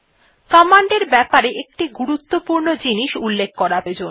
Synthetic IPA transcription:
kɔmaɳɖeɾbɛpaɾeʔek̚ʈiɡuɾut̪ːopuɾnod͡ʑiniʃulːek̚ʰkɔɾabed͡ʑon

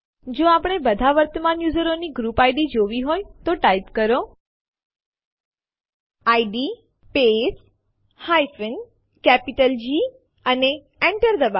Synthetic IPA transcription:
d͡ʒoapɽ̃ebəd̪ʱaʋəɾt̪əmãnjuzəɾoniɡɾupajɖid͡ʒoʋiɦojt̪oʈajpkəɾo | aiɖi | pes | hajfɪn | kɛpiʈəld͡ʒi | əne | ɛ̃ɳʈəɾd̪əba

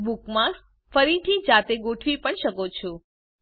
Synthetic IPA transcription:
bukmã | fəɾit̪ʰid͡ʒat̪eɡoʈʰʋipəɳʃəkot͡ʃʰo

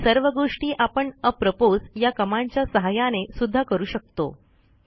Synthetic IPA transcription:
səɾʋəɡoʂʈiːʔapəɳəpɾəpod͡zjakəmaɲt͡ɕjasəɦajanesud̪ʱːakəɾuːɕək̚t̪o̰

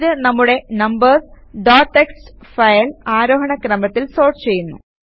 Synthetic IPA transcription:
ðɨnɐmːuɽe̞nɐmbɐrs | ɖaːʈːekstfɐjɐlaːɾo̞ːɦɐɳɐkrɐmɐt̪ːilso̞ːrʈt͡ɕe̞jːunːṵ

